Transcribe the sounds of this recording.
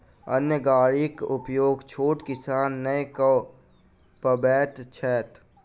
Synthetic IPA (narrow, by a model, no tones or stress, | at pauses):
ɐ̰njəɡaːɾikʊpjoːɡt͡ʃʰoːʈkɪsaːnːəekə | pəbɛːt̪t͡ʃʰɛːt̪